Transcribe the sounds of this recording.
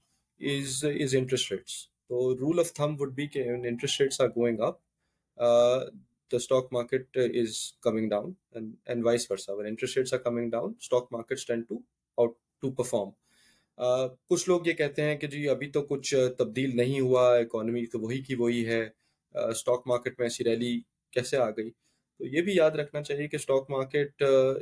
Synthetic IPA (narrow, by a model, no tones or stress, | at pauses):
ɪzɪzɪ̃ɳʈɾɛsʈɾeːʈs | t̪oːɾuːlɔʋt̪ʰɐ̃mʋʊɖ̚bikeɛ̃nɪ̃ɳʈɾɛsʈɾeːʈsaːɾɡoːɪ̃ŋɡɐp̚ː | d̪̥əsʈɔːkmaːɾkeʈ̚ɪzkɐmɪ̃ŋɖãʊ̃n | ɛ̃ɛ̰̃nɖʋaɪsfɐɾsaʋɛ̃nɪ̃ɳʈɾɛsʈɾeːʈsaːɾkɐmɪ̃ŋɖãʊ̃nsʈɔːk̚maːɾkeʈsʈɛ̃ɳɖ̚ʈu | aʊʈːupɐɾfɔːɾmː | kʊt͡ʃʰloːɡjekɛɦt̪eɦɛ̃ked͡ʒiːɐbʱit̪okʊt͡ʃʰt̪ɐb̚d̪iːlnɐɦĩɦuaɪkɔːnəmit̪oʋɐɦikiʋoɦiɦɛː | sʈɔːk̚maːɾkeʈmẽɛːsiɾɛli | kɛːseaːɡɐiː | t̪oːjeːbʱijaːd̪ɾɐkʰnat͡ʃaːɦiekesʈɔːkmaːɾkeʈ